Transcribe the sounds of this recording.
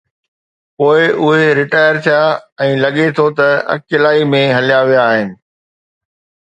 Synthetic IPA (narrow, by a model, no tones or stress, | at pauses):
poːɪʔʊɦeɾɪʈaːɪəɾt̪ʰijaɛ̃ːlɐɠet̪ʰot̪ɐɐ̰kɪlaːimẽɦɐlijaʋijaːɦɪnɪ̆